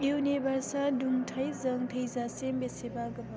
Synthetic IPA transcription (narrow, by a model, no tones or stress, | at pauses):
ewnebʱaɾsaduŋtʰɐjzɐŋt̪ʰəjzasembesebaɡɐba